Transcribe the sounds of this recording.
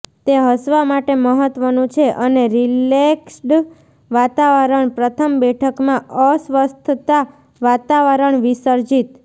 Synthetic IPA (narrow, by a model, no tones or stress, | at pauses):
t̪eɦəsʋamaʈeməɦət̪ʋənũt͡ʃʰeʔəneɾileksɖ | ʋat̪aʋəɾəɳpɾət̪ʰəmbɛʈʰəkmãəsʋəst̪ʰt̪a | ʋat̪aʋəɾəɳʋisəɾd͡ʒit̪